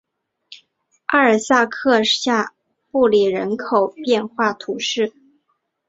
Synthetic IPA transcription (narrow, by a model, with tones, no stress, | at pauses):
a˥˩ə˞˨˩sa˥˧kʰɤ˥˧ɕja˥˧ | pu˥˩li˨˩ɻə˧˥nkʰo˨˩ʊpjɛ˥˧nxwa˥˩t̪ʰu˧˥ʂɻ̩˥˩